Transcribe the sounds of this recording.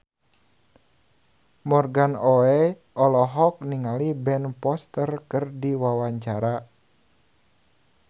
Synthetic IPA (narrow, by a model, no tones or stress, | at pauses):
mɔrɡanɔɛ | ʔɔlɔɦɔk̚niŋalibɛnpɔst̪ərkɨrdiwawaɲt͡ʃaɾa